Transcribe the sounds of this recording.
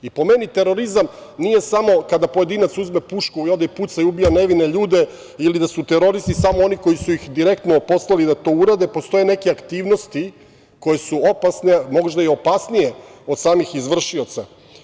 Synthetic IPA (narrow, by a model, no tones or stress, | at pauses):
ipo̞me̞nit̪e̞ɾo̞ɾizam | nije̞samo̞kad̪apo̞je̞d̪iːnat̪suzme̞puʃkuiod̪ajput̪saiubijaneʋine̞ʎuːd̪e̞ | ilid̪asut̪eɾo̞ɾist̪isamoo̞niko̞jisuixd̪iɾe̞kt̪nopo̞slˠalid̪at̪o̞ːuɾad̪e̞po̞st̪o̞jene̞keakt̪iːʋno̞st̪i | ko̞jesuopasnemo̞ʒd̪aio̞pasnije̞o̞d̪saːmixizʋr̩ʃio̞t̪sa